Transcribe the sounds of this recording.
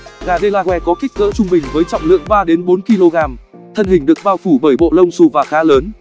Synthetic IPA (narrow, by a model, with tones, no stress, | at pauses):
ɣaː˨˩ɗə˧jlaː˨˧hwɛ˨˧˩kɔ˨˦ki˦˥k̟̚ɣə̰ː˧˥t͡ɕʊ˧ŋ͡mɓï˨˩ŋ̟vəː˨˦jt͡ɕɔ̰˧˨wŋ͡mlɨ̰˧˨əŋɓaː˧ɗe˨˦nɓo˨˦nki˧lo˧ɣaː˧m | t̪ʰə˧nhï̟˨˩ɗɨ˨˩ək̚ɓaː˧wfu˧˩ɓəː˧˩jɓo̰˧˨lə˧wŋ͡msu˧˩vaː˨˩xaː˨˦ləː˨˦n